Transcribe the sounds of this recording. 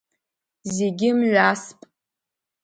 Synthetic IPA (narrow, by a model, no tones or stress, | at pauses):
zeɡʲɪmʒʷaspʼ